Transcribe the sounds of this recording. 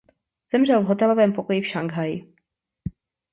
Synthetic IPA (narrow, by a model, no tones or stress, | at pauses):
z̥ɛmr̝ɛlvɦo̞t̪ɛlovɛːmpo̞kojɪfʃaŋɡɦajɪ